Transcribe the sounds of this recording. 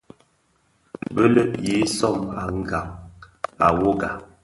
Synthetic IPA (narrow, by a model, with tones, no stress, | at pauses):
bə˦lə˦ʔji˨˦sɔ˦˨ma˨ŋ̩˨ɡa˨ŋ | a˨wo˦ɡa˨